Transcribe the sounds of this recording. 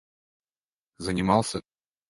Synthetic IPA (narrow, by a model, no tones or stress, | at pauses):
zənʲɪmɑlˠsʲə